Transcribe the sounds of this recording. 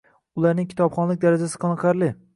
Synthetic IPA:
ʊlˠaɾnɪŋkʲʰɪ̥t̪ʰɒpχɒnlɪk̚ʲd̪aɾad͡ʒasɪ̥qʰɑnɨqʰɑɾlɪ

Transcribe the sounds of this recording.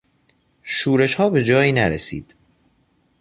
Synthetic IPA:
ʃuːɾe̞ʃhɒːbe̞d͡ʒɒːjiːnæɾesḭːd̪̥

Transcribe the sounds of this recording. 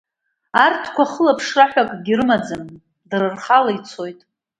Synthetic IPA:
artʰkʷaχəlapʰʂraħʷᶣakʼɡʲirɨmad͡zan | drɨrχalait͡sʰo̞jtʼ

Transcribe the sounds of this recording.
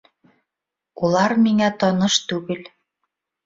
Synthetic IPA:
ulˠɑɾmiŋæt̪ɒnɤʃt̪ʉɡɘl

